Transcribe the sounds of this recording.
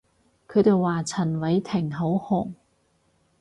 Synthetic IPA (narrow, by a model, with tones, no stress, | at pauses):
kʰɵ˨˧˥t̪e˨jwaː˨t͡sʰɐ˨˩nwɐ˨˥jt̪ʰɪ˨˩ŋɦo˨˥whʊ˨˩ŋ